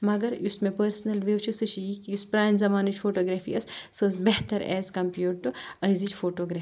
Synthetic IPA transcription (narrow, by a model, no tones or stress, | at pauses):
mɐɡɐɾusmẽpɐɾsnɐlʋewt͡ʃʰusɨt͡ʃijikuspɾaːjnzɐmaːnit͡ʃfʰoːʈoːɡɾaːfʰḭɐssɐzbɛɦt̪ɐɾɛ̰ːzkɐmpjuːʈːɨɐjzit͡ʃfʰoːʈoːɡɾaː